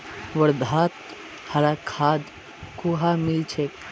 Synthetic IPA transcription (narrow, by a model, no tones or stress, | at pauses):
ʋəɾd̪ʱaːt̪̚ | hɐɾakʰaːd̪ | kuɦamilt͡ʃʰek